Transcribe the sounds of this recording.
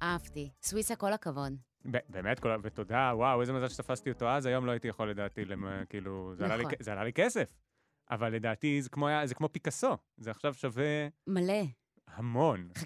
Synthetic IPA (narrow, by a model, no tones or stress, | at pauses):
ʔavtiswisako̞lakavo̞n | bebeːmetkolveto̞dawawezemazalʃet̪afastioto̞azajo̞mlo̞aitijaχole̞daːtilemkiiluzealalikzealalikesef | ʔa̰valːe̞daːtizekmoajazekmo̞pikaso̞ | zeaχʃavʃave̞male | hamo̞n